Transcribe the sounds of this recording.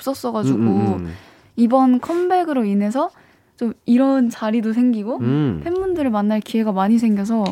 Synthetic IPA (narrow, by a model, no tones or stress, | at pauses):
p̚s͈ʌs͈ʌɡad͡ʑuɡo | ibʌnkʰʌmbe̞ɡɯɾoinɦe̞sʰʌ | t͡ɕomiɾʌnt͡ɕaɾidosʰe̞ŋɡiɡopʰemːundɯɾɯɭmanːaɭkie̞ɡamaɲis̬ʰe̞ŋɡjʌs̬ʰʌ